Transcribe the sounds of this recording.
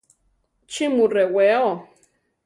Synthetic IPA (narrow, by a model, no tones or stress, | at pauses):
t͡ʃimureweo